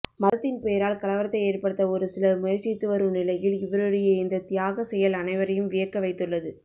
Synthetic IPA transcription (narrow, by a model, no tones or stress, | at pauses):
mɐðɐt̪ːɪnpeːɾaːlkɐlɐʋɐɾɐt̪ːɐɪeːrpɐɽɯt̪ːɐɔɾɯsɪlɐmʊjɐɾt͡ʃːit̪ːɯʋɐɾɯnɪlɐjɪlɪʋɐɾɯɽɐjɐɪnd̪ɐt̪ɪjaːɣɐsɛjɐlɐnɐɪʋɐɾɐjɯmʋɪjɐkːɐʋɐɪt̪ːɯɭːɐðɯ